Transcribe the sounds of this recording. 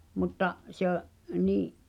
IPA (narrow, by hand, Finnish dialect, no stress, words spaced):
mutːɑʔ se oʔ niːʔ